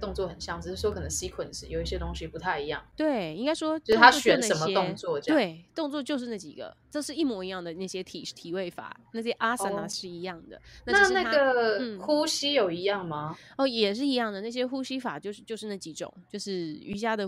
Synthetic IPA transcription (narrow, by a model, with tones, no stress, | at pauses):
t̪ʊ˥˧ŋt͡swɔ˥˩hə˨˩nɕjɑ˥˩ŋə˨˩ʂ̩˥˩ɔ˥kʰə˨˩nə˧˦ŋɕi˦˥kʰwə˨˩nʂɻ̩˧˥jo˨˩ʊi˥˩ɕjɛ˥t̪ʊ˥ŋɕi˧pu˧˥t̪ʰa˥˩ɪi˧˥jɑ̰˥˩ŋt̪we˥˩ɪi˥ŋka˥ɪʂwɔ˥t͡ɕo˧˥˧a˥˧ɕɛ˧˦˥nna˥˩ə˨˩mə˧jɛ˥ʊ˥ŋt͡swɔ˥˨˥we˩˥˩ɪt̪ʊ˥˧ŋt͡swɔ˥˧t͡ɕjo˥˧ʊʂɻ̩˥˧na˥˩t͡ɕḭ˨˩ɡə̰˩˦ʈ͡ʂɤ˥˧ʂɻ̩˥˧i˥˩mwɔ˧˥i˧˥jɑ˥˩ŋd̪ə˩na˥˩ɕjɛ˦˥t̪ʰi˨˩t̪ʰi˨˩we˥˩ɪfa̰˨˩˦na˥˩ɕjɛ˥ʔa˥sa˧˥a˧ʂɻ̩˥˩i˧˥jɑ˥˩ŋd̪ə̰˩na˥˩nai˥˧˥na˥˩˥ɡə˨˩˥xu˥ɕi˥jo˨˩ʊi˧˥jɑ˥˩ŋma˨ɔ˥˩jɛ˨˩ʂ̬ɻ̩˥˩i˧˥jɑ˥˩ŋd̪ə˩na˥˩ɕ̬jɛ˥xu˥ɕi˥fa̰˨˩t͡ɕjo˥˧ʊʂ̩˥˧t͡ɕjo˥˧ʊʂɻ̩˥˧na˥˩t͡ɕi˧˥˩ʈ͡ʂʊ̰˨˩˦ŋt͡ɕjo˥˧ʊʂɻ̩˥˩y̰˧˥t͡ɕja˥d̪ə˨